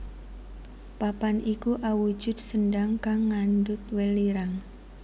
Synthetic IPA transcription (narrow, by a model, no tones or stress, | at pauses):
papanikuʔawu̥d͡ʒ̥ʊ̤d̪̚səndaŋkaŋːandʊt̪̚weliɾaŋ